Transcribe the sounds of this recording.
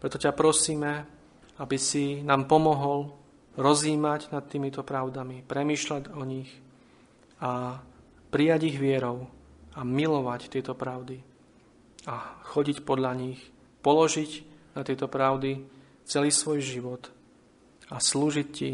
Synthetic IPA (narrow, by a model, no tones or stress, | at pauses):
pɾɛt̪ɔcapɾɔsiːmɛ | abisinaːmpɔmɔɦɔl | ɾɔziːmaɟnat̪t̪ːiːmit̪ɔpɾaʊd̪amipɾɛmiːʃlaɟɔɲix | a | pɾijaɟiɣʋɪɛɾɔʊ | amilɔʋact̪ɪɛt̪ɔpɾaʊd̪i | axɔɟicpɔd̪ʎaɲix | pɔlɔʒiɟnat̪ɪɛt̪ɔpɾaʊd̪i | t͡sɛliːsʋɔjʒiʋɔt̪ | asluːʒicci